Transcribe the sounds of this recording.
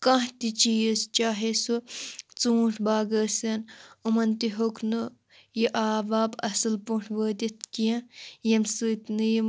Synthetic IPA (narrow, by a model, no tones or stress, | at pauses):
kɐ̃ɦt̪it͡ʃiːjɐst͡ʃaːɦesut͡suːʈʰbaːɡɐːsɐnumɐnt̪iɦokno | jiʔaːbaːbɐsɨlpuʈʰbəːd̪it̪kijɐ̃jɐmsɨːt̪nɨjim